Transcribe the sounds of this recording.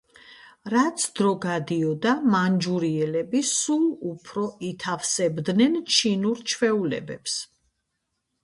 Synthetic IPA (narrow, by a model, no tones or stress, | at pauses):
ɾat̪sʰd̪̥ɾɔɡad̪iɔd̪amand͡ʒuɾiɛlɛbisulˠupʰɾɔit̪ʰafsɛbd̪nɛnt͡ʃʰinuɾt͡ʃʰwɛulɛ̰bɛps